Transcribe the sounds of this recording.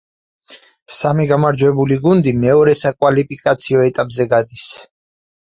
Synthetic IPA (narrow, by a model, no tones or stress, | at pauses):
samiɡamaɾd͡ʒwɛbuliɡund̪imɛɔɾɛsakʼwalipʰʼikʼat̪sʰiɔɛt̪ʼapʼzɛɡad̪is